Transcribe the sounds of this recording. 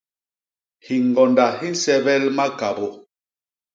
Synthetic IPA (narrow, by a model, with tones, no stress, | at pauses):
hi˨ŋ˨ɡɔ˨nda˨hi˦n̩˦sɛ˦bɛ˦lma˦ka˨bo˦